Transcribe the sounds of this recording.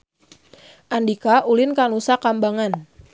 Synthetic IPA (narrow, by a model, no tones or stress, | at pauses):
ʔandikaʔulɪnkanusakambaŋan